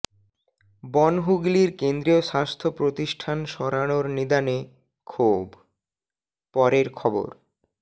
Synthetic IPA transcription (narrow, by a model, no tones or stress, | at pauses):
bɔnɦuɡliɾkend̪ɾioʃast̪ʰopɾot̪iʃʈʰanʃɔɾaɽ̃oɾnid̪ane | kʰob | pɔɾeɾkʰɔbo̰ɾ